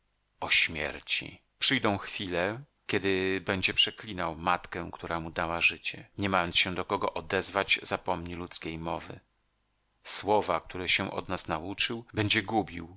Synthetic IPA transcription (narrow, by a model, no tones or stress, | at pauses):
ɔɕmʲjɛ̰ɾt͡ɕḭ | pʂɘjd̪ɔ̃w̃xfʲilɛ | kʲɛd̪ɘbɛɲd͡ʑɛpʂɛklʲinawmat̪kɛkt̪uɾamud̪awaʐɘt͡ɕɛɲɛmajɔnt̪sɕɛ̃d̪ɔkɔɡɔʔɔd̪ɛzvad͡ʑzapɔmɲilut̪skʲejmɔvɘ̰ | swɔvak̚t̪uɾɛɕɛ̃ʔɔ̰d̪nasnaut͡ʂɘwbɛɲd͡ʑɛɡubʲiw